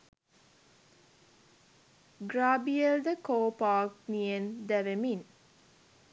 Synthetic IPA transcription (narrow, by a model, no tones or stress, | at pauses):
ɡɾaːbield̪əkoːpaːkniend̪æʋemin